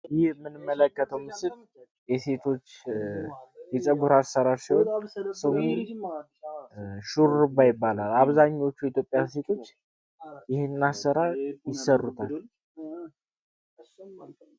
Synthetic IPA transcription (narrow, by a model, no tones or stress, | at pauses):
jɪhmɨnɨmːələkːət̪ʰəwmɨsɨl | jɛse̞t̪ʰo̞t͡ʃː | jisʼəɡuɾasːəɾaɾsiwonsəw | ʃuɾɾɨbajɪbːalalaβzaɲːo̞t͡ʃːujit̪jo̞pʼjase̞t̪ʰo̞t͡ʃː | jɪhenːasəɾajɪsərːut̪ʰal